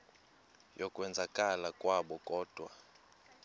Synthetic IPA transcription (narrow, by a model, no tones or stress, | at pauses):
jɔkʼwɛnd͡zʱakʼalakʼwaɓɔkʼɔːd̥ʱwa